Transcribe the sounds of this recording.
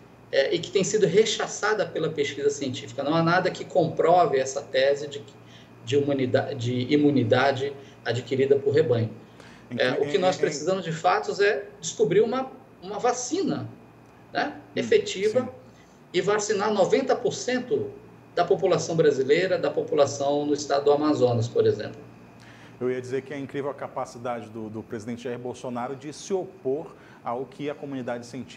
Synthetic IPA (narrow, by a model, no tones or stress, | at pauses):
ɛʔɪkɪ̥t̪ẽj̃sid̪ʊɦeʃasad̪ɐpelɐpeskizɐsiẽnt͡ʃifi̥kɐnɐ̃w̃anad̪ɐkɪkõpɾɔvɪɛsɐt̪ɛzɪd͡ʒɪ | d͡ʒɪimũnid̪ad͡ʒɪimũnid̪ad͡ʒɪ | ad͡ʒikiɾid̪ɐpʊɾɦebɐ̃j̃ʊ | ɛʊkɪnɔspɾesizɐ̃mʊzd͡ʒɪfat̪ʊzɛd͡ʒɪskubɾiɾũmɐ | ũmɐvasĩnɐ | nɛefet͡ʃivɐ | ɪvasinaɾnovẽnt̪ɐpoɾsẽnt̪ʊ | d̪ɐpopulasɐ̃w̃bɾazilejɾɐd̪ɐpopulasɐ̃w̃nʊɪst̪ad̪ʊd̪ʊamazõnɐs̬poɾezḛ̃mplʊ | ewiɐd͡ʒizeɾkɪɐĩkɾivewkapasid̪ad͡ʒɪd̪ʊd̪ʊpɾezid̪ẽnt͡ʃɪʒaiɾbowsonaɾʊd͡ʒɪsɪopoɾ | aʊkʰɪɐkomũnid̪ad͡ʒɪsẽnt͡ʃi̥